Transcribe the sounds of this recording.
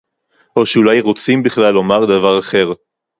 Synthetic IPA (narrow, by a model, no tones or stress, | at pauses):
o̞ʃeulajʁot͡simbiχlalːo̞maʁd̪avaʁaχe̞ʁ